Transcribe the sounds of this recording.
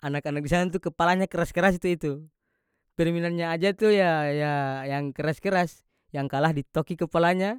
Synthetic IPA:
anakanak̚disaant̪̬ukəpalaɲakəɾaskəɾasit̪uit̪u | pɛrminanɲaːd͡ʒat̪ujajajaŋkəɾaskəɾas | jaŋkalahdit̪ɔkikəpalaɲa

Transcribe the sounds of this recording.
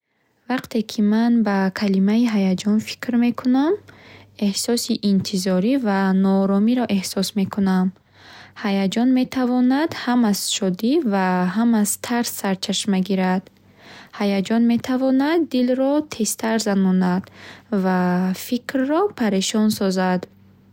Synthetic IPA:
vaqt̪ʰe̞kʰimanbakʰalimaiɦajad͡ʒɔnfi̥kɾme̞kʰuname̞hsɔsiʔint̪ʰizɔɾivanɔːɾɔmiɾɔʔe̞hsɔsme̞kʰunam | hajad͡ʒɔnme̞t̪ʰavɔnad̪hamaz̥ʃɔd̪ivaɦamazt̪ʰaɾsːaɾt͡ʃʰaʃmeɡiɾad̪̥ | hajad͡ʒɔnme̞t̪ʰavɔnad̪ːilɾɔt̪ʰe̞st̪ʰaɾzanɔnad̪̥vafikrːɔpʰaɾeʃɔnsɔzad̪

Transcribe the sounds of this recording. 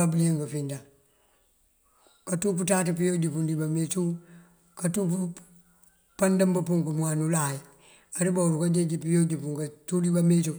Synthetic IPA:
abulieŋkafinda | katuputaːtipijod͡ʒipundibamet͡ʃu | katupu | pandambapuŋkumuanulaji | aɾibauɾukad͡ʒed͡ʒipijod͡ʒipuŋkatudibamet͡ʃu

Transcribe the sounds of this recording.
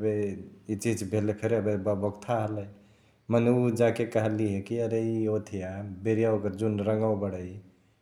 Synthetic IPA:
əbeit͡ʃid͡ʒbʱelepʰeɾeəbebəbəkt̪ʰaɦələj | məneud͡ʒakekəɦəliɦekiəɾeiot̪ʰijabeɾijaokəɾd͡ʒunɾəŋɡawbəɽəj

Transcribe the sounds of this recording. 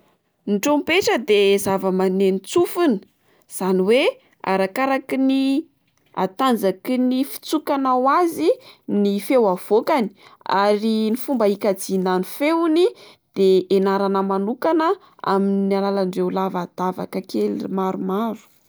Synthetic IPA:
nʈ͡ʂompeʈ͡ʂəd̪ezavəmanenit͡sufuni̥ | z̥aniwe | a̰ɾakaɾakini | a̰t̪and͡zakinifi̥t͡sukanawazinifewav̥okani̥a̰ɾinifumbəikad͡zinanifewni | d̪̥eenaɾanəmanukanə | a̰minnialalaɳɖ͡ʐewlavad̪̥ava̰kəkelḭmaɾumaɾu̥

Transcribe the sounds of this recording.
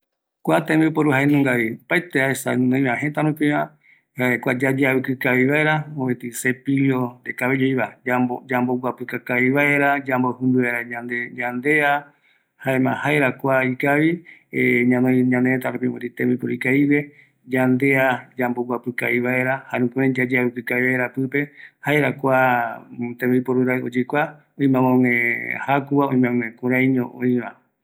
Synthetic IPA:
kʷat̪ẽmbipoɾuhaenũŋɡaβiopaet̪eaesanõj̃mãɦẽt̪aɾũpĩβã | aekʷad͡ʒad͡ʒaβɨkɨkaβiβaeɾaõβẽt̪isepilod̪ekaβed͡ʒoiβaaod͡ʒamboɡʷapɨkakaiβaeɾad͡ʒambohɨ̃mbɨβaeɾaɲãnd̪eɲãnd̪ea | haemã̰haeɾakʷaikaβieɲãnẽɲãnet̪aɾupimut̪it̪ẽmbɨpoɾikajβe̞ | d͡ʒand̪e̞ad͡ʒamboɡʷwapɨkaiβae̞ɾahaɾũkuẽd͡ʒad͡ʒaɾukɨkaiβaeɾapɨpe̞haeɾakʷa | t̪ẽmɨpoɾɨɾao̰d͡ʒɨkʷa | oĩmãmõŋẽhakuaoĩmãŋʷẽkuɾaɲõʔoĩɾa

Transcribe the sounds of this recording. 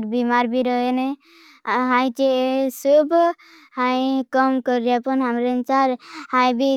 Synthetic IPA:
ɾbimaɾbʱiɾɔɦene | ɦãjt͡ʃesubʱ | hãjkɔmkɔɾiapɔnɦamɾent͡ʃaɾhãjbʱi

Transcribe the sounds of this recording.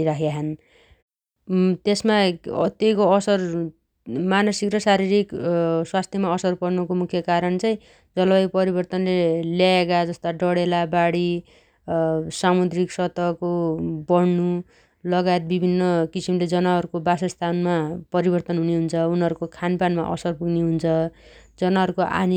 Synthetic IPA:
ɾakʰaɦʌn | t̪esmat̪ejkoʌsʌr | manʌsikrʌsaɾiɾikswast̪ʰjʌmaʌsʌrpʌrnukomukʰjʌkaɾʌnt͡saj̃ | d͡zʌlʌjpʌɾibʌrt̪ʌnleljaekad͡zʌst̪aɖʌɽelabaɽi | samud̪riksʌt̪ʌkobʌɽnu | lʌɡajet̪̚bibʱinːʌkisimled͡zʌnaɦʌɾukobasast̪ʰanmapʌɾibʌrt̪ʌnɦuneɦunt͡sʰʌunɦʌɾukokʰanpanma̰ʔʌ̰sʌrpuɡneɦunt͡sʰʌd͡zʌnaɦʌɾukoʔa̰ni

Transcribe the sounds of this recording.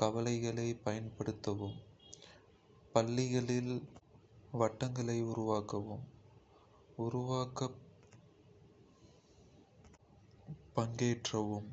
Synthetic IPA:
kɐʋɐlɐɪɣɐɭɐɪpɐjɐnpɐɽɯt̪ːɐʋɯm | pɐlːɪɣɐɭɪl | ʋɐʈːɐŋɡɐɭɐɪʊɾʊʋaːkɐʋɯm | ʊɾʊʋaːkɐ | pːɐŋɡeːʈrɐʋɯm

